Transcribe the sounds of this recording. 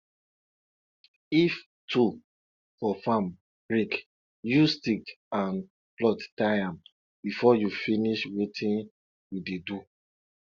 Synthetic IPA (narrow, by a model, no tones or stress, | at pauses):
if | tʰu | fɔfãm | b̥ɹik | justik | ãn | plɔttaãm | bifɔjufiniʃwetʰĩn | jidedu